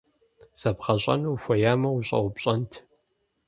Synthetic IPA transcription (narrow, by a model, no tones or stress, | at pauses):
z̥ɐpχɐɕʼɐ̰nuwxʷɔjaːmɐwuɕʼɐ̰wʷʊpɕʼɐntʰ